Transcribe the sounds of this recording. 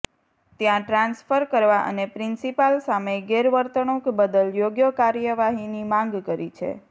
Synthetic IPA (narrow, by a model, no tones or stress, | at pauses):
t̪jãʈɾãnsfəɾkəɾʋaʔə̰nepɾɪnsipalsameɡeɾʋəɾt̪əɳũkbəd̪əljoɡjəkaɾjəʋaɦinimãŋɡkəɾit͡ʃʰḛ